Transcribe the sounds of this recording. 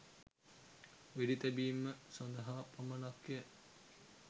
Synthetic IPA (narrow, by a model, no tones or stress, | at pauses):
ʋeɾit̪æbiːmːəsond̪ɐɦaːpɐmɐnakje